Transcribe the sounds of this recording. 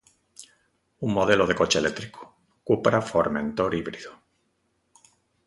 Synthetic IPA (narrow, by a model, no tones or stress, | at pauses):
uŋmoð̞eloð̞e̞ko̞t͡ʃelet̪ɾiko̥ | kupɾafoɾmẽnt̪oɾiβɾiðu